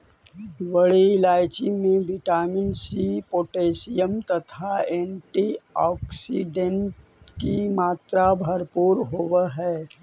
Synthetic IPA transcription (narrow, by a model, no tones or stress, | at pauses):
ʋəɽiɪlaːjt͡ʃimẽʋɪʈaːmɪnsipoːʈeːsijəmt̪ɐt̪ʰaeːɳʈiɔːksiɖẽɳʈ | kimaːt̪ɾabʱəɾpuːɾɦoːʋɦɛː